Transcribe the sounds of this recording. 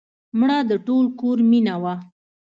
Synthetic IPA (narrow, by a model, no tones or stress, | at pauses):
mɽɑd̪əʈolkoɾminawa